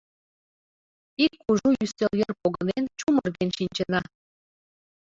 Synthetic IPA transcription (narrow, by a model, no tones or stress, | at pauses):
ikːuʒujyst̪eljerpoɣənent͡ɕumərɣenʃinʲt͡ɕə̆nɑ